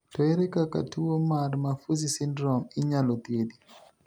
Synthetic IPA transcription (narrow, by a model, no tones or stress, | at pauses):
tɔɛɾɛkaka̰tuɔmaɾmafuzisindɾɔmiɲalɔt̪iedi